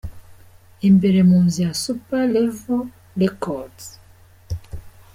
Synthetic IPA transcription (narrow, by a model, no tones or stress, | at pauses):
imbeɾemunziasupalevu | lekɔd